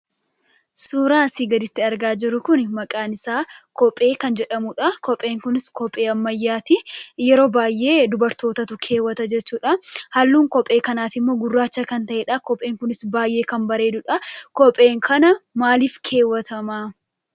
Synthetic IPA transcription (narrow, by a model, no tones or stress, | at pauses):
suːɾaːsiːɡɐd̪ɪt̪ːɪɐɾɡaːd͡ʒɪɾʊkʊnmɐkʼaːnɪsaːkɔpʼe̞ːkɐnd͡ʒɛᶑɐmʊᶑɐkɔpʼːe̞ːŋkʊnɪskɔpʼːe̞ːɐmːɐjːaːt̪ɪjɛɾo̞ːbaːjʔe̞ːd̪ʊbɐɾt̪o̞ːt̪ɐt̪ʊkʰe̞ːwːɐt̪ɐd͡ʒɛt͡ʃːuːᶑɐhɐlːuːŋkɔpʼe̞ːkɐnaːt̪ɪmːo̞ːɡʊrːaːt͡ʃːɐkɐnt̪ɐʔeːᶑɐkɔpʼe̞ːŋkʊnɪsbaːjʔe̞ːkɐmbɐɾe̞ːd̪ʊᶑɐkɔpʼːe̞ːŋkʰɐnɐmaːliːfkʰe̞ːwɐt̪ʰɐmaː